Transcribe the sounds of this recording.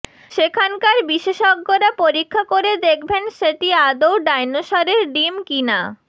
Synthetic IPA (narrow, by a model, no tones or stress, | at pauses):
ʃekʰankaɾbiʃeʃɔɡːoɾapoɾikʰːakoɾed̪ekʰbenʃeʈ̪iad̪owɖajnoʃɔɾeɾɖimkina